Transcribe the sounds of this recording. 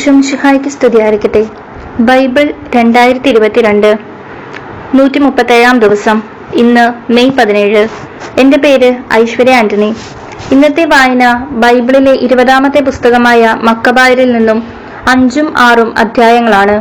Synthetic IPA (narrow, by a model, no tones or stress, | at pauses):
ɕumɕihaːjɐkʲːist̪ʰiðijaːɐɾikʲːɐʈ̪ːe | bɐjbiɭ | ɾe̞ɳɖaːjiɾɐt̪ːiɾubɐt̪ːiɾe̞ɳɖɨ | nuːtːimupːɐt̪ːeːɻaːmd̪iʋɐsɐm | inːɨme̞jpɐðine̞ːɻɨ | e̞ndepe̞ːɾɨɐ̰jɕʋɐɾɐjaːndɐni | inːɐt̪ːe̞ʋaːjinɐbɐjbiɭile̞ʔiɾubɐðaːmɐt̪ːepust̪ɐɣɐmaːjɐmɐkːɐbaːjɐɾilninːum | ɐɲd͡ʑumaːrumɐ̰d̪ʱjaːjɐŋːɐɭaːɳɨ